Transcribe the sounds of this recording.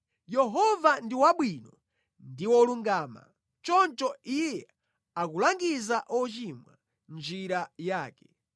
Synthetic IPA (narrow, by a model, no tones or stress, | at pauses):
jɛɦɔvandiwaɓwinɔ | ndiwɔluŋɡaːma̰ | t͡ʃɔnt͡ʃɔijɛ | akulaŋɡizaʔɔt͡ʃimwa̰ | nd͡ʒiɾajaːkɛ